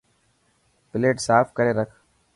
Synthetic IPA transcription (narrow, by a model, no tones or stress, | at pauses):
pɪleːʈsaːfʰkəɾeːɾəkʰ